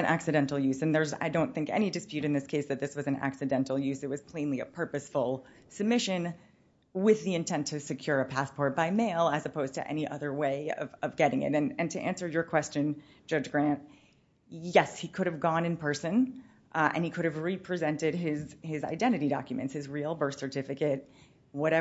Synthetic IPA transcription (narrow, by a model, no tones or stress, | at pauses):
ɨ̃nʔæ̰ksɨdɛ̃ntˡl̩ˠjʉzɨ̃nðə˞za̰ɪdõʊ̃nθɪ̃ŋkɛ̰ñidɨspjʉɾɨ̃nðɪskʰeɪsðɨt̪̚ðɪswʌzɨ̃n̩æ̰ksɨdɛ̃ntˡl̩ˠjʉzɨt̚wʌz̥pʰl̥ẽɪ̃nliɨ̰pʰɜ˞pɨsfl̩ˠ | sɨb̚mɪʃɨ̃n | wɪðiɨ̃ntʰɛ̃ntʰɨsɨkʰj̥ʊɹɨpʰæspʰɔɹt̚b̥aɪmeɪlˠɨzɨpʰoʊz̥tʰɨ̰ʔɛ̰niʔʌðə˞weɪʌ̰vʌvɡɛɾɪ̃ŋɪ̰ɾɨ̃nɨ̃ntʰɨʔæ̃nsə˞jə˞kʰw̥ɛst͡ʃɨ̃n | d̥ʒ̥ʌd͡ʒɡɹæ̃nt̚ | jɛshikʰʊɾɨvɡɔ̃nɨ̃npʰɜ˞sɨ̃n | ʔɨ̰̃nikʰʊɾɨvɹipʰɹ̥izɛ̃ntɪd̚ɪzɪza̰ɪdɛ̃ɾ̃ɨɾidɑ̰kjɨmɨ̰̃ntshɨzɹil̩ˠbɜ˞θsə˞tʰɪfɨkɨt̚ | wʌɾɛ